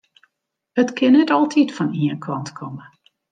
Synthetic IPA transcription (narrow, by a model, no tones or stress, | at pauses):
hətkʰɪnːɛtɔlˠtʰitfɔniənkʰɔntkʰɔmə